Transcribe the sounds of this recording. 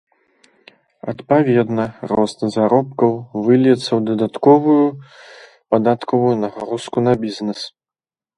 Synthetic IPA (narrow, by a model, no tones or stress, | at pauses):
ɐ̰t̪pavʲɛd̪nɐrɔst̪zaɾɔpkɐwvɨlʲjɛt̪sːɐwd̪ɐd̪at̪kɔvuju | pad̪at̪kɔvujunɐɣaɾuskunɐbʲiznɛs